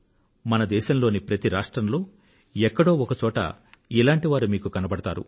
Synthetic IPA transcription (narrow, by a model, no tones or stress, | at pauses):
mɐnɐd̪ɛːʃɐmlo̞ːnipɾɐt̪iɾaːʂʈɾɐmlo̞ː | ɛkːɐɽo̞ːɔkɐt͡ʃɔːʈɐ̰ilaːɳʈiʋaːɾumiːkukɐnɐbɐɽɐt̪a̰ːɾṵ